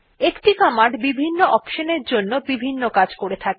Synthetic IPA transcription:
ekʈikamaɖbibʱinːoʔɔkʃoneɾd͡ʑonːobibʱinːokad͡ʑkoɾet̪ʰake

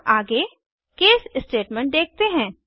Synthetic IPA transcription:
aːɡe | keːsɪsʈeːʈmɛ̃ɳʈ̚d̪eːk̚ʰt̪eɦɛ̃ː

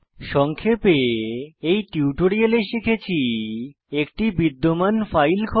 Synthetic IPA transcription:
ʃɔŋkʰepeejʈiuʈoɾialeʃikʰet͡ɕʰi | ekʈibid̪ːomanfajlkʰɔ

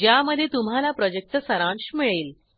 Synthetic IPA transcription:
d͡ʑjaməd̪ʱːjet̪umɦalapɾɔd͡ʑek̚t̪əsəɾãɳɕmiɭeːl

